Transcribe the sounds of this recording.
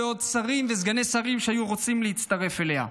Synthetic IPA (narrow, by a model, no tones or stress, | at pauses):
o̞dsaʁimvezɡane̞saʁimʃehajuʁot͡simleit͡st̪aʁe̞fe̞le̞a̰